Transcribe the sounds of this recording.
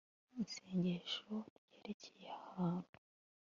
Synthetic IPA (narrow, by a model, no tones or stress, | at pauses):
iseːɲɟeʃoɾɟ̥eːɾe̞cʰejeahaːnu